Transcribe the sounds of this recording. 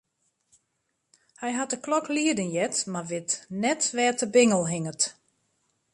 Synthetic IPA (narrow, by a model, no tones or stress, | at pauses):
hɛjɦatəklɔkliədənjɛtmarʋɪtnɛtʋɛːtəbɪŋəlˠɦɪŋət